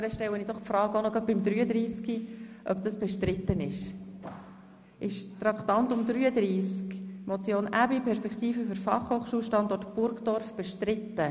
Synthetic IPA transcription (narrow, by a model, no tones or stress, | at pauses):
ɾəʃtɛwənid̪ɔχpfɾɑːɡəonɔɡɑt̚b̥ɪmd̪ɾyːəd̪ɾiːskiʔœbd̥̪ɑsb̥ɛʃtɾɪt̪ːənɪʃ | ʔɪʃtɾɑkt̪ɑnt̪ʊmd̪ɾyːəd̪ɾiːskmɔt͡sjoːnæbipʰɛɾʃpɛkʰχt̪iːfəfʏɾfɑ̰χhoχʃuːlʃtɑnd̪ɔtb̥ʊɾkd̥̪ɔrfb̥eʃtɾɪt̪ːə